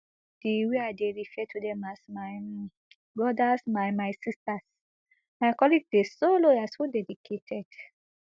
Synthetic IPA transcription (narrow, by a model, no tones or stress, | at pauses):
d̥iweaɪdeɹifɛtʰudɛ̃masmaɪ | bɹɔdasmajmaɪsistas | majkɔliɡdesoloashodɛdikʰetʰɛd̥